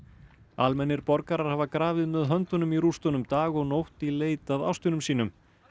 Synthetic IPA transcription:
almɛnːɪɾpɔɾkaɾaɾ̥haːvakɾaːvɪðmɛðɦœnt̪ʏnʏmiɾust̪ɔnʏmt̪aːɣɔɣnowht̪ileːjt̪aða̰wst̪ʏnʏmsiːnʏm

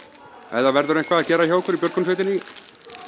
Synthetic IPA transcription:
ɛ̰ðavɛɾðʏɾẽjŋ̥kvaðaðcɛːɾaçawɛkʏɾipjœɾkɔnsejt̪ɪnːɪ

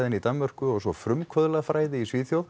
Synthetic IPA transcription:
ðɪnit̪anmœr̥kʏɔɣsɔfɾʏmkkʰvœðlaðfɾaːjðɪisviːθjowð

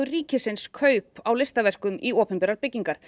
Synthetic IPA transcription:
ʏriːcɪsɪnskʰœːɥpawlɪst̪avɛr̥kʏmiɔːpɛmpɛɾaɾpɪcːiŋkaɾ̥

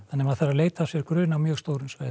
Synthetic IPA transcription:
anːɛmaðθaɾːaleːjt̪asjɛɾkɾʏːnawmjœːɣst̪oːwɾʏmsvaːjð

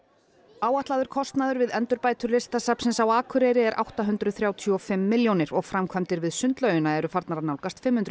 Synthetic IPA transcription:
aːwaht̪laːðʏɾ̥kʰɔst̪naðʏɾvɪðɛnt̪ʏɾpaːjt̪ʏɾlɪst̪asapsɪnsawaːkʰʏɾɛɾɪɛɾʔa̰wht̪aɦʏnt̪ɾʏθɾjaːwt̪ʰːɔfɪmːɪljownɪɾɔɣfɾamkʰvamt̪ɪɾvɪðsʏnt̪lœɥjʏnaɛɾʏfaɾt̪naɾanawlkast̪fɪmhʏnt̪ɾ

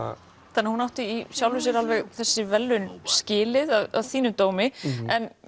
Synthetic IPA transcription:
θanːɪhunawht̪ɪisjawlhʏs̬ɪɾalvɛɣθɛsːɪvɛlːʏnscɪːlɪðaða̰ðθiːnʏmt̪oːwmɪɛn

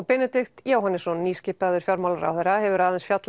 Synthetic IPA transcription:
pɛnɛt̪ɪxt̪jaːwhanɪsɔnːiːscɪhpaðʏɾ̥fjaɾmawlɾa̰wθɛjɾahɛvʏɾaðɛnsfjat̪l

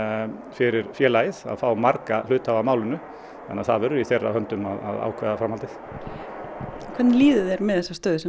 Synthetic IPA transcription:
fɪɾɪɾfjɛːlajɪða̰ðfaːwmaɾkalʏːt̪havamaːwlɪnʏ | θanːaθa̰ðvɛːɾʏiθɛjrːa̰hœnt̪ʏmaða̰ða̰ːwkʰvɛːðafɾamhalt̪ɪθ | kʰɛt̪nliːðʏðɛɾmɛðθɛsːast̪œːðsɛ

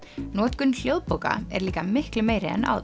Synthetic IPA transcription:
nɔːt̪kʏnl̥jowðpowka̰ɛ̰ɾliːkamɪhklʏmeːjɾɪɛ̰na̰wð

